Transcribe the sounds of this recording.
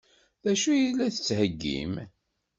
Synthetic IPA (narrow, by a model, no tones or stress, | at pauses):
ðæʃujilːæθə̥t͡sːhəɡːḭm